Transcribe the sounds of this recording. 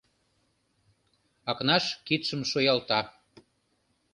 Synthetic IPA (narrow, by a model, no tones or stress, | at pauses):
ɑknɑʃkit̪ʃəmʃojɑlt̪ɑ